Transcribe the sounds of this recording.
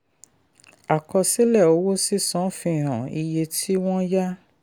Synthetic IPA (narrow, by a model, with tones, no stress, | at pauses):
a˨kɔ˧si˦lɛ˦˨o˧˦wo˦si˦sɔ̃˨˦fĩ˧ĩ˨ɾ̃ã˨i˧je˧tʰi˦w̃ɔ̃˦ja˦